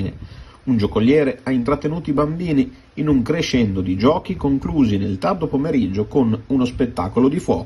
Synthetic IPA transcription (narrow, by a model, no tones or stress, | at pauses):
nḛ | und͡ʒokolːjɛːɾeaint̪ɾat̪ːenuːt̪oibambiːniː | nuŋkɾeʃːɛnd̪od̪id͡ʒɔːkikoŋkluːzinelt̪ard̪opomeɾid͡ʒːokonunospet̪ːa̰ːkolod̪ifwɔːk